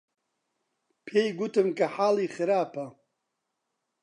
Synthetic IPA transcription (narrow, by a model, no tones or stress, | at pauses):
pʰeːjɡut̪ʰɨmkʰɐħaːliχɨɾaːpʰɐ